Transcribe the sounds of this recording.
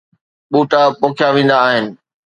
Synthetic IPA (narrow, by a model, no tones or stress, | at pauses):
ɓuːʈapoːkʰjaʋẽːn̆d̪aːɦɪnɪ̆